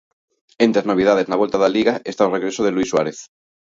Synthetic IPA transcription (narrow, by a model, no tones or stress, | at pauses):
ent̪ɾeaznoβiðaðe̞znaβe̞lt̪aðaliɣaest̪aoreɣɾe̞soðelwiswaɾeθ